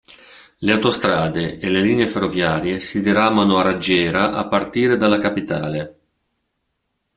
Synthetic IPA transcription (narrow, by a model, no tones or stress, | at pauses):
leawt̪ost̪ɾaːd̪eeleliːneeferːovjaːɾjesid̪iɾaːmanoaɾad͡ʒɛːɾaʔa̰pːart̪iːɾed̪alakapit̪aːle